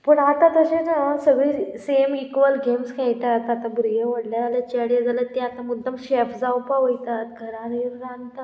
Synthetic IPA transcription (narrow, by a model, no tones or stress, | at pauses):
pəɳat̪ãt̪əɕenasəɡɭiːsemikʋəlɡʱemskʰajt̪at̪at̪ãbɾujəʋəɽljad͡zalət͡ɕɛɽjad͡zʱalət̪ːẽat̪ãmud̪ʱːəmɕefd͡zawpaɦojt̪at̪ɡʱəɾãɾɾɾãnt̪a